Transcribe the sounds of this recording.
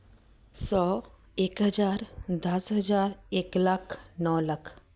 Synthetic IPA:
sɔ | eːkɦəd͡ʒaːɾd̪ɐsɦəd͡ʒaːɾeːklakʰnɔːlakʰ

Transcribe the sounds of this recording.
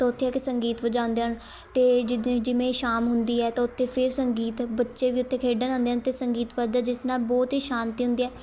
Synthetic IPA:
t̪oːʊt̪ʰːeːɛːkɪsəŋɡiːt̪ʋəd͡ʒaːʊ̃nd̪eːən | t̪eːd͡ʒɪd̪d͡ʒɪʋẽʃaːmɦʊnd̪iːɛːt̪aʊt̪ʰːeːpʰɪɾsəŋɡiːt̪bətːʃeːʋiːʊt̪ʰːeːkʰeːɖənãːnd̪eːnt̪eːsəŋɡiːt̪ʋəd͡ʒaːd͡ʒɪsnaːbɔːt̪ɦiːʃãːnt̪iːɦʊ̃nd̪iːɛː

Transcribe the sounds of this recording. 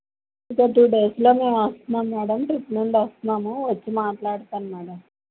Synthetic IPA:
ikɐʈuːɖe̞ːslo̞ːmeːmɐst̪naːmːaːɽɐmʈɾipːnuɳɖɐst̪naːmuʋɐt͡ɕːimaːʈlaːɽt̪aːnmaːɽɐm

